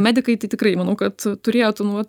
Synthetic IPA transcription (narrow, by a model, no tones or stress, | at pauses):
mʲæːd̪ʲɪkɐɪt̪ɐɪt̪ʲɪkrɐɪmɐnɐʊkɐt̪t̪ʊɾʲeːjoːt̪onʋɐt̪